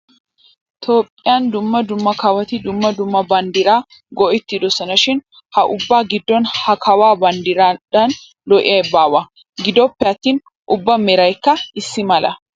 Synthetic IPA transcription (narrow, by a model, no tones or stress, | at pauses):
t̪ʰoːpʼːɪjɐnd̪ʊmːɐd̪ʊmːɐkɐwɐt̪ɪd̪ʊmːɐd̪ʊmːɐbɐnd̪ɪɾaː | ɡɔʔɪt̪ːɪd̪ɔsɐnɐʃɪn | hɐʔʊbːaːɡɪd̪ːɔnhɐkʰɐwaːbɐnd̪ɪɾɐd̪ɐn | lɔʔɪ̰jɐjbaːwɐ | ɡɪd̪ɔpːɛɐt̪ːiːn | ʔʊbːɐmɛɾɐjkːɐɪsːɪmɐlɐ̰